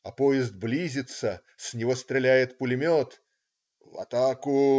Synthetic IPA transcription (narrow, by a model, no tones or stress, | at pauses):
ɐpojɪzd̪̚blʲizʲɪt̪sə | sʲnʲɪvost̪ɾʲɪlʲæjɪt̪pʊlʲɪmʲot̪ | vɐ̰t̪akʊ